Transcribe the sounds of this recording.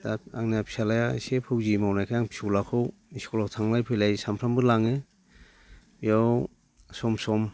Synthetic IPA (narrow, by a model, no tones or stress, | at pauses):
aaŋniapʰi̥salajasepʰɯwzimawnajkʰajaŋpʰi̥suwlakʰɯwiskɔlawtʰaŋlajpʰɯjlajsampʰɾambɯlaŋɯ | ijaw | sɔmsɔm